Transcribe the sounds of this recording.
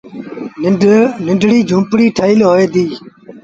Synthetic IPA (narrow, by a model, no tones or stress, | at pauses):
nɪ̃ɳɖʱɽiːd͡ʒʱũːpɽiːʈʰəːɪlɦoːeːd̪iː